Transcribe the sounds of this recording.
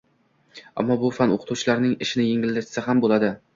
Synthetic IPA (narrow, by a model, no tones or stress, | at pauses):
a̰mːɒbʊfano̰qʰɨ̥t̪ʰuwt͡ʃʰɪlaɾnɪŋɪʃɪnɪjeŋʲɪld̪ɪɾt͡ʃʰɪ̥sɪɦambolad̪ɪ